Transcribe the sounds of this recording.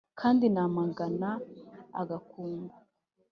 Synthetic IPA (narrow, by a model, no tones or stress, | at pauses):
kʰaːndinaːmaŋɡana̰ːɡakuːŋɡa